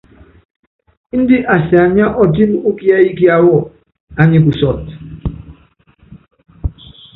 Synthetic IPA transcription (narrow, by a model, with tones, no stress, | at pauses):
n̩˦di˦ʔa˨si˨a˨ɲ˦a˦ʔɔ˨ti˦m˦u˦ki˦a˦i˦ki˦a˨wɔ˦˨ | a˨ɲi˨k̬u˨sɔ˨t̚